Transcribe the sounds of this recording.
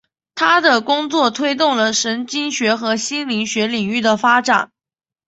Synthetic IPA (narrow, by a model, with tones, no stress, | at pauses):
t̪ʰa˥d̪ə˨kʊ˥ŋt͡swɔ˥˩t̪ʰwe˥ɪt̪ʊ˥˩ŋlə˩ʂə˧˥nt͡ɕi˥ŋɕɥɛ˧˥xɤ˧˥ɕi˥nli˧˥ŋɕɥɛ˧˥li˨˩ŋy˥˩d̪ə˩fa˥ʈ͡ʂa˨˩˦n